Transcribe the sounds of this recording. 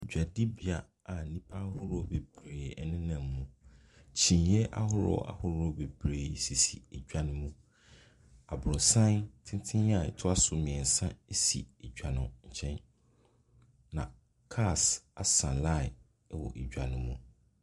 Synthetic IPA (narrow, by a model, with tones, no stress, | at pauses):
d͡ʑᶣa˨dɪ˦bi˨a˦ | a˨nĩ˦pʰa˦hʊ˦ɾɔ˦˨˦be˨b̥ɾeː˨ɛ˨nɪ̃˦nã˨mː˦ũ˨ | t͡ɕʰĩ˨njɛ˦ʔa˦hʊ˦ɾɔ̰˦a̰˨hʊ˦ɾɔ˦be˨bɾeː˨si˨sḭ˨ɛ˨d͡ʑᶣa˦nʊ̃˦mũ˦ | a˨bɾʊ̃˨sã˦ntʰɪ̃˦tʰɪ̃˦a˦˨ɛ̰˨tʰʊ˦a˦sʊ˨mɪ̃˨ɛ̃˨n̩˨sã˦e˦sḭ˨ɛ˨d͡ʑᶣa˨nʊ̃˨ɲ̩˨t͡ɕʰɛ̃˦n | nã̰˨ | kʰa˦˨sa˨sã˨la˦˨ɪ˨˦ | wɔ̰˨ʔe˨d͡ʑᶣa˨nʊ̃˦mũ˨